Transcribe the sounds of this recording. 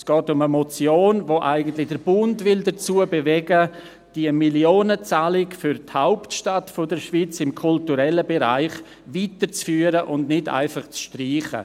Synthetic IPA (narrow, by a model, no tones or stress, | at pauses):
sɡ̥ɔːtʊməmɔt͡sjoːnvoːʔaɪɡən̩tlɪd̥əɾbʊndvɪldət͡suəbevɛɡə | d̥iəmiljoːnət͡saːlɪkfʏɾthaʊptʃtatfodəɾʃvit͡sɪmkʰʊltuɾɛləbeɾa̰ɪχ | viːtəɾt͡sfyːəɾəʔʊndnɪda̰ɪfaχt͡sʃtriːχə̰